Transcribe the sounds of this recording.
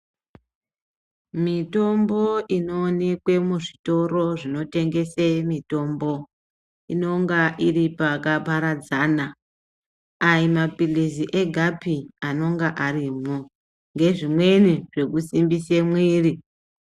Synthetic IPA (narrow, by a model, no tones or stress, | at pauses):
mito̞mboino̞ːne̞kwe̞muʐito̞ro̞ʐino̞te̞ŋɡe̞semito̞ːmbo̞ | ino̞ŋɡaʔiripakapaɾad͡zaːna | aimapiliziʔe̞ɡʱapiano̞ŋɡaʔariːmo | ŋɡe̞ʐimwe̞niʐ̥e̞kusimbisemwiːri